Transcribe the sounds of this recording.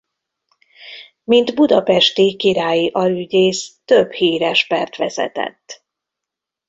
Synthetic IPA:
mind̪bud̪ɒpɛʃt̪ikiɾaːjiʔɒlyɟeːst̪øbhiːɾɛʃpɛrt̪ʋɛ̰zɛ̰t̪ɛ̰t̪ː

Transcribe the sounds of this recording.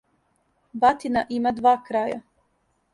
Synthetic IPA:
bat̪inaʔimad̪ʋaːkɾaja̰

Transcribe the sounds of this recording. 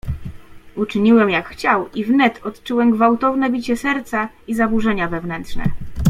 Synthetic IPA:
ut͡ʂɘɲiwɛmjakxt͡ɕawivnɛt̪ɔt̪t͡ʂuwɛmɡvawt̪ɔvnɛbʲit͡ɕɛsɛɾt̪sa | izabuʐɛɲavɛvnɛntʂnɛ̰

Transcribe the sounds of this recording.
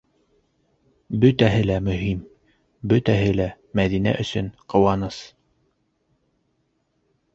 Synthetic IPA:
bɵt̪æɦɘlæmɵ̆ɦim | bɵt̪æɦɘlæ | mæðinæ̰ʔɵ̆sɵnqɤ̆wɑnɤs

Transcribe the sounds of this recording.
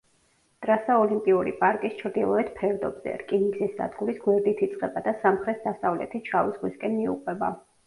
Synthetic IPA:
d̪̥ʼɾasaɔlimpʼiuɾḭpʼaɾkʼist͡ʃʰɾd̪ilˠɔɛt̪pʰɛɾd̪ɔbz̥ɛ̰ɾkʼiniɡzisd̪a̰d̪ɡuɾisɡwɛɾd̪it̪ʰit̪sʼqʼɛbad̪asamχɾɛt̪ʰd̪asavlɛ̰t̪ʰit͡ʃʰavizʁwiskʼɛnmiṵqʼwɛba̰

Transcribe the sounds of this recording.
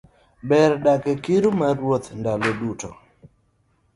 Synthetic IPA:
bɛɾdakɛkiɾumaɾwot̪ndaloduto

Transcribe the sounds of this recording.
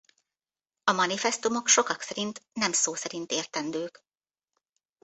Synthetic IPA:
ɒmɒnifɛst̪umo̞kʃo̞kɒksɛɾint̪nɛmsoːsɛɾint̪eːrt̪ɛnd̪øːk

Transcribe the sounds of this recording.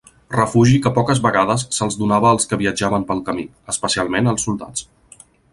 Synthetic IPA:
rəfuʒikəpɔkəzβəɣaðəsːəlˠzðunaβəːlˠskəβiəd͡ʒaβəmpəlˠkəmi | əspəsialˠmenəlˠsulˠd̪a̰t͡s

